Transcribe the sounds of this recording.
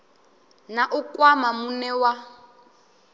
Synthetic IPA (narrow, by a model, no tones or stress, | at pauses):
naʔukʼwamamunɛwa